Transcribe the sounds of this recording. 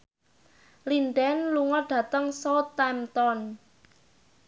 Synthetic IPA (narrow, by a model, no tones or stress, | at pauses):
linɖɛnluŋɔɖ̥ä̤t̪əŋsɔt̪ɛmt̪ɔn